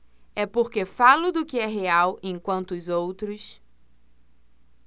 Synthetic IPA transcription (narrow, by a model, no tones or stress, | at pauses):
ɛpoɾkefalʊd̪ʊkɪɛɦeawʔẽkwɐ̃nt̪ʊːzowt̪ɾʊs